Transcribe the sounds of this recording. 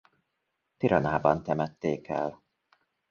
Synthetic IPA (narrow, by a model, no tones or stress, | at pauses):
t̪iɾɒnaːbɒnt̪ɛmɛt̪ːeːkɛ̰l